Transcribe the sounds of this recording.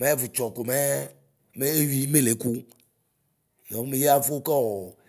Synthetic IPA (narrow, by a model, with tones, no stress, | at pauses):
me˨˦vu˨t͡ʃɔ˨ko˨me˦ | me˦e˦wi˦me˦le˨˦ku˦ | jɔ˨ŋ˦me˨ja˦fo˦kɔ˦wɔ˨